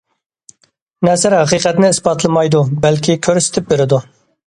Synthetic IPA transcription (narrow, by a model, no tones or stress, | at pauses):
nɛsɪɾhæqiqɛt̪nɪisbɑt̪lˠɨmɑjd̪ubɛlkʲʰikʲʰøɾsɪ̥t̪ʰɪp̚beɾɪd̪u